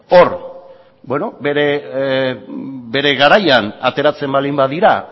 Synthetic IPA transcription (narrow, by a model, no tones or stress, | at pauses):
o̞ɾ | bwe̞no̞beɾe | be̞ɾe̞ɣaɾajanat̪e̞ɾat͡se̞mbalimbaðiɾa